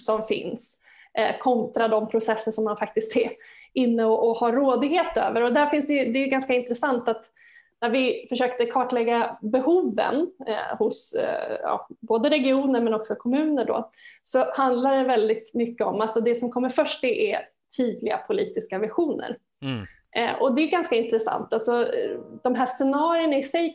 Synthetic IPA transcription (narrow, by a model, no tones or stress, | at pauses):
sɔmfɪ̰ns | kʰɔnt̪ɾad̪ɔmpʰɾʊsɛsːənʂɔmːanfak̚t̪ɪskt̪ɛɾɪnːəɔʔːhaɾːoːd̪ɪɡheːt̪ø̰ːvəɾɔd̪æɾfɪnsd̪ɛjɵd̪ɛjɵɡanskaɪnt̪ɾɛsant̪at̪ | næɾvɪfœʂøːkt̪əkʰɑːʈlɛɡːabɛhuːvə̰nhʊsɑ̰boːd̪əɾɛɡɪuːnəɾmɛnɔksɔkʰɔmʉ̟ːnəɖo̰sɔhand̪laɖɛvɛld̪ɪt̪mʏkːəɔmːalsɔd̪ɛsɔmkʰɔmːəɾfœʂʈ̚ɛʔɛ | t̪ʰyːd̪lɪɡa̰pʰʊliːt̪ɪskavɪɧuːnə̰ɾ | ʔʔɔd̪ɛʉɡanskaɪnt̪ɾɛsa̰nt̪alsɔd̪̥ɔmɦæːʂɛnɑːɾɪəɳaɪsɛj